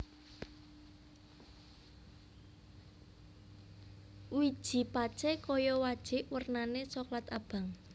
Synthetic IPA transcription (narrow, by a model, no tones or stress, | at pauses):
wid̥ʒ̥i̤pat͡ʃɛkɔjɔwad̥ʒ̥ɪ̤ʔwərnanesɔklat̪ab̥a̤ŋ